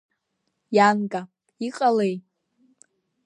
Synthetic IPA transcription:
jankʼa | iqʼalej

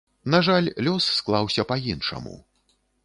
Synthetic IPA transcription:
naʐalʲlʲɔsːklˠawsʲɐpɐjinʂɐ̰mṵ

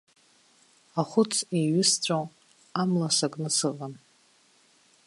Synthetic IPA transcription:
aχʷʊt͡sʰeɥʏst͡ɕʷʼow | amlasakʼnɨsɨʁan

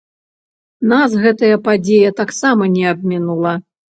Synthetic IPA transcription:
nasɣɛt̪ɐjɐpad͡zʲejɐt̪aksamɐnʲɛabmʲinulˠɐ

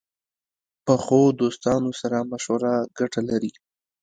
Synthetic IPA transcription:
pəxod̪ost̪ɑnosaɾamaʃwaɾaɡaʈalaɾi

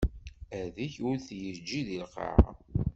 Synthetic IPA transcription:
æðiçʊɾθjəd͡ʒːiðilqə̰ʕ̰

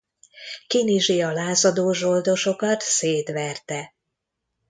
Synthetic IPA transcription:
kiniʒijɒlaːzɒd̪oːʒo̞ld̪o̞ʃo̞kɒt̪seːt̪ʋɛrt̪ɛ

